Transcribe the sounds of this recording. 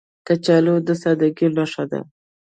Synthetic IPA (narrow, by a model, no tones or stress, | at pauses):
kat͡ʃalod̪əsad̪aɡinaʂad̪a̰